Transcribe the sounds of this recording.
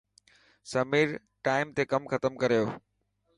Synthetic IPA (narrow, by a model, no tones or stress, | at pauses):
sɐmiːɾ | ʈaːɪmt̪ekɐmxɐt̪əmkɐɾijoː